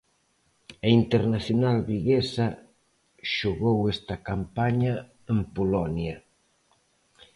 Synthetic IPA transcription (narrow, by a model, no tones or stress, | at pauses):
ɐint̪eɾnaθjonalβiɣesa | ʃoɣowest̪ɐkampaɲa | empolɔnja